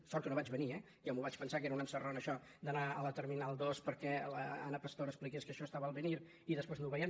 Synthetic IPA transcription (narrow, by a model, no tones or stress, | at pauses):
sɔɾt̪unoβad͡ʒβəniɛ | jamuβat͡ʃpənsakeɾəunəmsəronəʃɔ | d̪ənaələt̪əɾminalˠd̪ospəɾkɛləanəpəst̪oɾəsplikeskəʃɔst̪aβəlˠβəniɾ | iðəspweznuwβɛjɛn